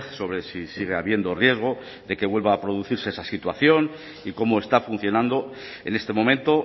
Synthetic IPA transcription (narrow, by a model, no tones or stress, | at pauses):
so̞βɾe̞sisiɣ̞e̞aβje̞nd̪o̞rje̞zɣ̞o̞ | ðe̞ke̞βwe̞lβaːpɾo̞ðuθiɾse̞esasit̪wa̰θjo̞n | iko̞moe̞st̪afun̟θjo̞nãnd̪o̞ | e̞ne̞st̪e̞mo̞mẽnt̪o̞